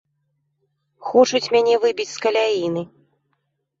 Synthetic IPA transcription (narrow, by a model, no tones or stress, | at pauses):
xɔt͡ʂut͡sʲmʲanʲɛvɨbʲit͡sʲskɐlʲainɨ